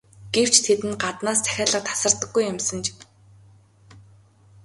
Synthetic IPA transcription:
ɡ̥ew̥t͡ɕt̪ʰet̪ɘ̆nɢat̪naːst̪ʰæ̥xʲaːɮə̆qt̪ʰḁsə̆rt̪ə̆ɡːujʊmsə̆nt͡ɕ

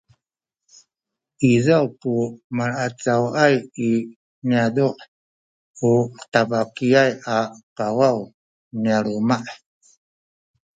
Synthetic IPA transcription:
izawpumaɾat͡sawaji | niadɔʔ | ut̪abakiajakawaw | nialumaʔ

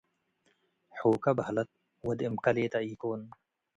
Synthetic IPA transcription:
ħoːkɐbhɐlɐt̪̚ | wɐd̪ɪmkɐleːt̪ɐiːkoːn

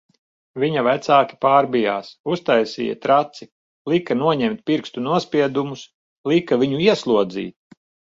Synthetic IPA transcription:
viɲavæt̪saːkʲi̥paːɾbija̰ːsust̪ajsḭːjɐ̰t̪ɾat̪si | lˠikanuɔɲɛmt̪̚ʲpʲiɾkst̪unuɔspʲiɛd̪umus | lˠikavʲiɲuiɛslˠuɔd̪zḭːt̪̚

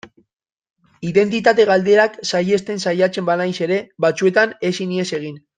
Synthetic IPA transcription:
iðe̞nt̪it̪at̪e̞ɣ̞ald̪e̞aksaje̞st̪e̞nsajat͡se̞mbanajse̞ɾe̞βat͡sue̞t̪ane̞sinie̞se̞ɣ̞in

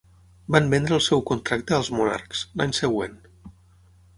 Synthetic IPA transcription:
bambɛnd̪ɾəlˠsɛwkunt̪ɾak̚t̪əːlˠzmuna̰ɾkslaɲsəɣwḛn

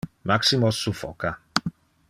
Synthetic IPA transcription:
maksimɔsufɔ̰ka

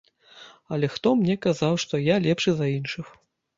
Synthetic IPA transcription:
ɐlʲɛxt̪ɔmnʲɛkazawʂt̪ɔjalʲɛpʂɨzɐinʂɨx

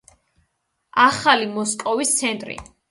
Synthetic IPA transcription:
aχalimɔskʼɔvist̪sʰɛnt̪ʼɾḭ

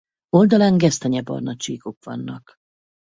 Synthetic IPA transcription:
o̞ld̪ɒlaŋɡɛst̪ɛɲɛbɒ̰rnɒt͡ʃiːkokʋɒ̰nːɒk

